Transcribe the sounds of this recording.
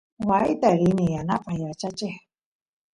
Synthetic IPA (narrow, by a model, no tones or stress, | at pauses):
wait̪aɾinijana̰qʼajat͡ʃat͡ʃeh